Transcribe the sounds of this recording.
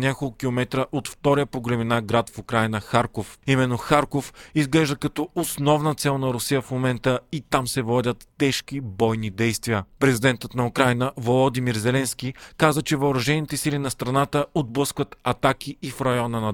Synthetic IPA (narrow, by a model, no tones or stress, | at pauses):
nʲakolˠkukʲilˠomɛt̪ɾəʔot̪ft̪ɔɾijəpoɡɾɛminaɡɾat̪fukɾajnəxaɾkofimɛnːoxaɾkofizɡlɛʒd̪əkɐt̪ɔosnɔvnət̪sɛlˠnɐɾʊsijəfmomɛnt̪əit̪amsɛvɔd̪ʲət̪ːɛʃk̟ibɔjnid̪ɛjst̪viəpɾɛzid̪ɛnt̪ət̪nɐʊkɾajnəvolˠod̪imiɾzɛlɛnskʲikazət͡ʃɛvɐʊɾɐʒɛnit̪ɛsilinɐst̪ɾɐnat̪əod̪̚blˠɤskvət̪ɐt̪ak̟iifɾɐjɔnənɐ